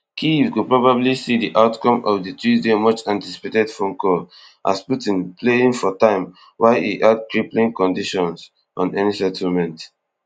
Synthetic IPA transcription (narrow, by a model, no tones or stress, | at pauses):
kʰivkupɹɔbablisidiʔaʊtkɔ̃mɔvdətuzdemɔt͡ʃãnti̥si̥petɛdfɔ̃mkɔ | ʔa̰sputĩnpleĩŋfɔtãɪ̃m | wʔaɪḭʔad̚kɹiplĩŋkɔ̃ndiʃɔ̃ns | ʔɔ̃nɛnisɛtʰl̩mɛ̃nt